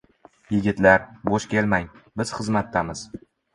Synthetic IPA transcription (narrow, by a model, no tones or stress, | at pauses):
jɪɡʲɪt̪laɾboʃkʲe̞lmajbɪz̥χɨzmat̪ːamɪz̥